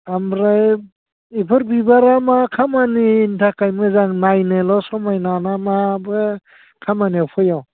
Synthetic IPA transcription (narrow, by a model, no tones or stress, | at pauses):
amɾaj | ipʰɯɾbibaɾamakʰamaniːntʰakajmɯzaŋnajnɯlɔsɔmajnanamabɯ | kʰamaniɔpʰɯjaw